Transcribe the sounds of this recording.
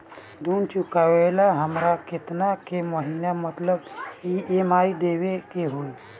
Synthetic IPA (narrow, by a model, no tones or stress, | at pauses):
d̪unt͡ɕukaʋelaɦəmɾaket̪nakeməɦinjamət̪ləbiemaid̪eʋekeɦoi